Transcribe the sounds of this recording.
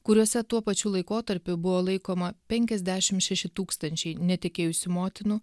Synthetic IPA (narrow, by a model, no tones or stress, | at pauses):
kʊɾʲuɔsʲɛt̪uɔpɐt͡ʃʲuːlˠɐɪkoːt̪ɐɾʲpʲʊbʊʋoːlˠɐɪkoːmɐpʲɛŋʲkʲɛzʲd̪ʲæːʃʲɪmʃʲɛʃʲɪt̪uːkst̪ɐnʲt͡ʃʲɛɪnʲɛt̪ʲɪkʲeːjʊsʲʊmoːt̪ʲɪnʊ